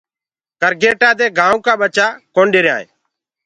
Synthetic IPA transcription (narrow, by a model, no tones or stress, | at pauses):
kəɾɡeːʈaːd̪eːɡãːũːkaːɓət͡ʃaːkoːɳɖeːɾja̰ːḛː